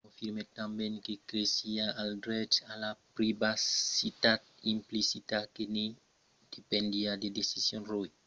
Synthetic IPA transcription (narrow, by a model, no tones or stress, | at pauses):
kõfiɾmet̪ãmbɛ̃ŋkekɾesiaaldɾɛt͡ʃalapɾibasit̪at̪̚ĩmplisit̪akene | d̪̥epẽnd̪iad̪ed̪esisjõnroj